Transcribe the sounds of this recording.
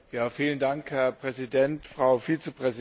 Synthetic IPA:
jaːfiːləndaŋkhɛɐpʁ̥ɛzidɛntfʁ̥aʊfiːt͡səpʁ̥ɛz

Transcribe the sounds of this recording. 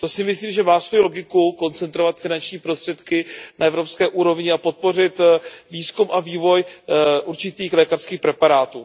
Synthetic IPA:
t̪o̞sɪmɪsliːmʒɛmaːsvo̞jilo̞ɡɪkuko̞nt͡sɛnt̪ɾo̞vat̪fɪnant͡ʃɲiːpɾo̞st̪r̥ɛt̪kɪnaɛvɾo̞pskɛːʔuːɾo̞vɲɪapo̞t̪̚po̞rɪt̪viːskumʔaviːvo̞jʔuɾt͡ʃɪt̪iːxlɛːkarskiːxpɾɛpaɾaːt̪uː

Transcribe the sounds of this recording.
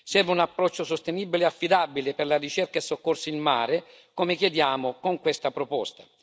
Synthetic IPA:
sɛrvɪunapːɾɔt͡ʃːosost̪eniːbileafːid̪abilɪperlarit͡ʃerkaesːokːorsiilmaːɾɪ | komɪkjed̪jaːmʊkoŋkwest̪apɾopɔst̪ḁ

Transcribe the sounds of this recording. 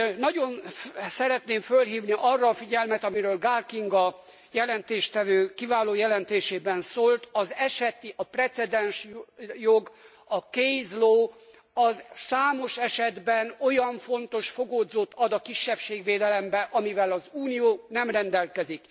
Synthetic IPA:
nɒɟo̞nsɛɾɛt̪neːɱfølɦiːvniʔɒrːɒːfiɟɛlmɛt̪ɒmiɾøːlɡaːlkiŋɡɒ | jɛlɛnt̪eːʃt̪ɛvøːkivaːloːjɛlɛnt̪eːʃeːbɛnsoːlt̪ɒzɛʃɛt̪iʔɒprɛt̪sɛd̪ɛnʃjoɡ | ɒkejzloː | ɒzsaːmo̞ʃɛʃɛd̪bɛno̞jɒɱfo̞nt̪o̞ʃfo̞ɡoːd̪zoːt̪ɒd̪ɒkiʃːɛfʃeːɡʋeːd̪ɛlɛmbɛʔɒmivɛlɒzuːnijoːnɛmrɛnd̪ɛlkɛzik

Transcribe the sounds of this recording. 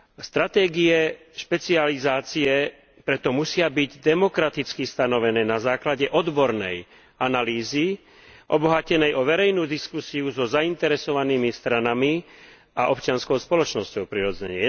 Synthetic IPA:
st̪ɾat̪ɛːɡiɛ | ʃpɛt͡sializaːt͡siɛ | pɾɛt̪ɔmusɪabiɟd̪ɛmɔkɾat̪it͡skist̪anɔʋɛnɛːnazaːklaɟɛʔɔd̪bɔɾnɛ̰j | analiːzi | ʔɔbɔɦacɛnɛjʔɔʋɛɾɛjnuːd̪iskusiuzɔzaint̪ɛɾɛsɔʋaniːmist̪ɾanami | a̰ʔɔpt͡ʃɪanskɔʊspɔlɔt͡ʃnɔscɔʊpɾiɾɔd͡zɛ̰ɲɪɛ

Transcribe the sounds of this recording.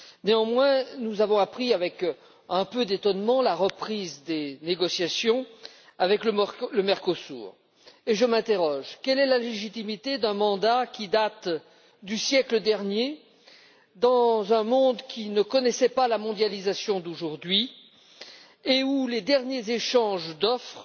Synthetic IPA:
neɑ̃mwɛ̃nuzavɔ̃apχiavɛk | ɛ̃pød̪et̪ɔnmɑ̃laʁəpχizd̪eneɡɔsjasjɔ̃ | avɛklələmɛʁkɔsṵːʁ | eʒəmɛ̃t̪eʁɔʒkʲɛlɛlaleʒit̪imit̪ed̪ɛ̃mɑ̃d̪akʲid̪at̪ | d̪ysjɛkləd̪ɛʁnje | d̪ɑ̃zɛ̃mɔ̃d̪kʲinəkɔnɛsɛpalamɔ̃d̪jalizasjɔ̃d̪oʒuʁd̪ɥi | euled̪ɛʁnjezeʃɑ̃ʒd̪ɔfχ

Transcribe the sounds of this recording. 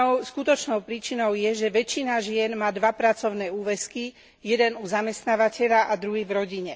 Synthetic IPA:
skut̪ɔt͡ʃnɔʊpɾiːt͡ʃinɔʊjɛʒɛʋɛt͡ʃinaʒɪɛnmaːd̪ʋapɾat͡sɔʊnɛːuːʋɛski | jɛd̪ɛnuzamɛst̪naːʋacɛʎaʔad̪ɾuɦiːvɾɔɟiɲɛ

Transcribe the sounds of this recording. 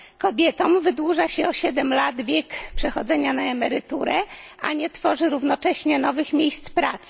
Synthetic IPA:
kɔbʲjɛt̪ɔmvɘd̪wuʐaɕɛɔɕɛd̪ɛmlad̪vʲjɛkpʂɛxɔd̪zɛɲanaɛmɛɾɘt̪uɾɛ | a̰ɲɛt̪fɔʐɘɾuvnɔt͡ʂɛɕɲɛnɔvɘxmʲjejst̪spɾat̪s

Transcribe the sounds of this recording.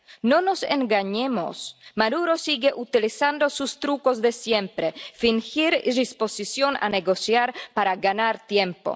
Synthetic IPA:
nonosḛŋɡaɲemo̰smad̪uɾosiɡeʔut̪ilisand̪osust̪ɾukozðesjempɾefiŋxiɾiɾisposisjona̰neɡosjaɾpaɾaɡanaɾt̪jempo̰

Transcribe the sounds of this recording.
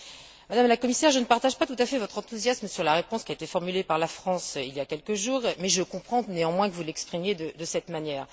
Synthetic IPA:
mad̪amlakɔmisɛʁʒənəpaʁt̪aʒpat̪ut̪afɛvɔt̪χɑ̃t̪uzjasmsyʁlaʁepɔ̃skʲiaet̪efɔʁmylepaʁlafχɑ̃siljakʲɛlkəʒuːʁmɛʒəkɔ̃pχɑ̃neɑ̃mwɛ̃kəvulɛkspχimjed̪əd̪əsɛt̪manjɛːʁ

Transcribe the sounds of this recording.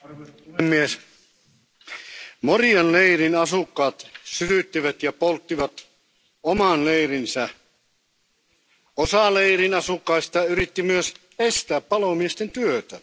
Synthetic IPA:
uemːies | moriɑnleirinɑsukːɑːt̪syt̪yt̪ːiʋæt̪jɑpolt̪ːiʋɑt̪ | omɑnleirinsæ | osɑleirinɑsukːɑist̪ɑyɾit̪ːimyøs | est̪æːppɑlomiest̪ent̪yøt̪æ̰

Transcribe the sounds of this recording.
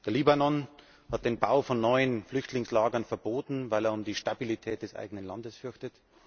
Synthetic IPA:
d̥eːɐliːbanɔn | hɑt̚d̥eːnbaʊfɔnːɔʏənflʏçtʰlɪŋslaːɡɐnfɛɐboːtn̩vaɪleːɐʊmdiːʃtabilitʰɛːt̚d̥ɛsʔa̰ɪɡənənla̰ndəsfʏɐçtət

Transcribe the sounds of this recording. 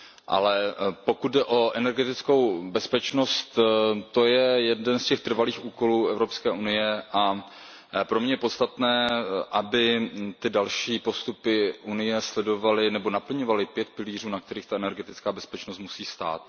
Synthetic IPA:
ʔa̰lɛpo̞kut̪̚dɛʔo̞ʔɛnɛɾɡɛt̪ɪt͡sko̞wbɛspɛt͡ʃno̞st̪t̪ːojɛjɛddɛnscɛxt̪r̩valiːxuːko̞luːɛvɾopskɛːʔunɪjɛʔa | pɾomɲɛjɛpo̞t̪st̪at̪nɛːʔabɪt̪ɪdalʃiːpo̞st̪upɪʔunɪjɛslɛdo̞valɪnɛbo̞napl̩ɲo̞valɪpjɛt̪̚pɪliːr̝uːnak̚t̪ɛɾiːxt̪aɛnɛɾɡɛt̪ɪt͡skaːbɛspɛt͡ʃnost̪musiːst̪a̰ːt̪

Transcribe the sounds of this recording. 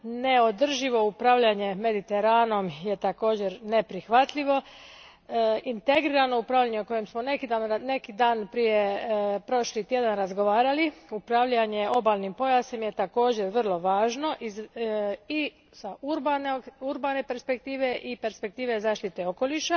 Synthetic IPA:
ne̞o̞d̪r̩ʒiʋo̞upɾaʋʎaɲe̞me̞d̪it̪e̞ɾaːno̞mje̞t̪ako̞ːd͡ʑe̞ɾne̞pɾixʋat̪ʎiʋo̞ | int̪eɡɾiːɾalno̞upɾaːʋʎaɲeoko̞jemsmo̞nekid̪anne̞kid̪aːnpɾije̞pɾo̞ʃlit̪je̞d̪anɾazɡo̞ʋaːɾaliupɾaʋʎaɲe̞ʔo̞baːlˠnimpo̞jasimjet̪ako̞ːd͡ʑe̞ɾʋr̩lˠo̞ʋaːʒno̞ʔiz | i | sauɾbanuɾbaːne̞pe̞ɾspe̞k̚t̪iːʋe̞ʔipe̞ɾspe̞k̚t̪iːʋe̞zaːʃt̪it̪e̞o̞ko̞liʃa

